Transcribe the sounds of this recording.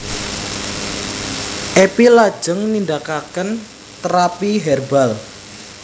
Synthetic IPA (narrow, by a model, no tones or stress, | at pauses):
ʔepilad̥ʒ̥ə̤ŋnindakakən | t̪ɾapiɦɛrbal